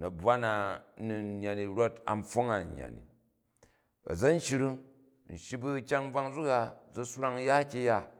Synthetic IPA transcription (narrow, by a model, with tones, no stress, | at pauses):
nɐ˨bwa˦na˨˦nu˨˧˦ɲː˦a˨ni˨ɾo˦ta̰˨m˦fo˦ŋa˨ɲː˨a̰˨nḭ˨ | ɐ̰˨d͡zɐ˦n̩˦ʃi˧ɾu˦ | n̩˨ʃi˦bu˦kʲa˦ŋ̩˦b͡va˧ŋd͡zu˦ka˦˨d͡zɐ˦su˦ɾa˦ŋ˦ja˦kʲi˧ja˦